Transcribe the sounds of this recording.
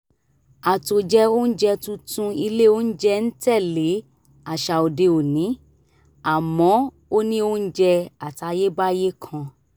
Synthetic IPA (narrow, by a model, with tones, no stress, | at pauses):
a˨to˨d͡ʒɛ˧o˦n̩˦d͡ʒɛ˧tũ˧tũ˧i˧le˦o˦n̩˦d͡ʒɛ˧n̩˦tɛ˦˨le˨˦ | a˨ʃa˨o˨de˧o˨nĩ˨˦ | a˨mɔ̃˨˦ | o˦nĩ˦o˦n̩˦d͡ʒɛ˧a˨ta˧je˦ba˦je˦kʰã˧